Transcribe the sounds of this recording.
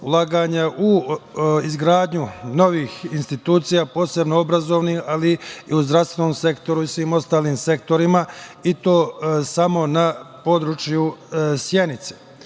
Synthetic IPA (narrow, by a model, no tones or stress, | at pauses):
ulˠaːɡaɲaʔu | izɡɾaːd̪ɲuno̞ʋiːxinst̪it̪uːt̪sijaːpo̞ːse̞bnoobɾazo̞ʋnihaliiuzd̪ɾaʋst̪ʋe̞nomse̞kt̪o̞ɾuisʋiːmo̞st̪aːliːmse̞k̚t̪o̞ɾimait̪o̞ːsamo̞napo̞d̪ɾut͡ʃjusje̞nit̪se